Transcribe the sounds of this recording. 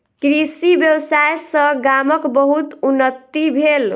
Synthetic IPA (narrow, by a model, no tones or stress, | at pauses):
kɾisibjəbsajsə̃ɡaməkbəɦut̪unːət̪ːibʱel